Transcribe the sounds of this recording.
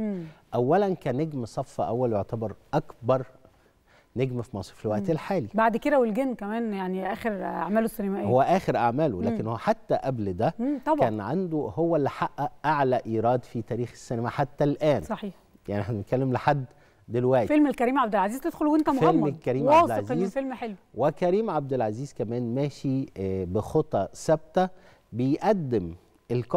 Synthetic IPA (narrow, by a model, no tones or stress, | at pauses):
eʔæwːælænkæːnːeɡmsˤɑfːɑʔæwːæljoʕt̪æbɑɾˤʔækbɑɾˤ | neɡmæfimɑsˤɾfilwæʔt̪elħaːlibaʕd̪ked̪æwelɡenːkæmæːnjaʕniʔæːxeɾʔa̰ʕmæːloesːenæmæʔehowːæʔæːxeɾʔaʕmæːlolæːkenhoːæħat̪ːæʔæbld̪æt̪ˤɑbkæːnʕand̪ohowːælːiħaʔːæʔaʕlæʔiːɾˤɑːd̪fit̪æːɾiːxesːenæmæħat̪ːælʔæːnsˤɑħiːħ | ja̰ʕnʔeħnæbenet̪kælːemleħad̪ː | elwæʔt̪ifelmelkæɾiːmʕab̚d̪elʕaziːzt̪ed̪̥xolwent̪æmfelmmkæɾiːmaæsdlʕaziːzfelmħelwwekæɾiːmʕab̚d̪elʕaziːzkæmæːnmæːʃibexot̪ˤːɑsæb̚t̪æ | bejʔæd̪ːem | ʔelkɑ